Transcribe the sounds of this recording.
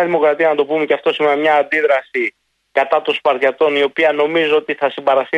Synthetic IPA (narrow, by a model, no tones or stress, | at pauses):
ɐðimo̞kɾɐt̪iɐnɐt̪o̞pumeceɐft̪o̞simenmɲɐːnd̪iðɾɐsi | kɐt̪ɐt̪o̞nspɐɾɐt̪o̞nio̞piɐno̞mizoot̪iθɐsimbɐɾɐsi